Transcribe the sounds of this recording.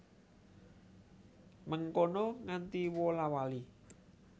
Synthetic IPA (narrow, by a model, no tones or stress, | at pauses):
məŋkonɔŋant̪iwɔlawali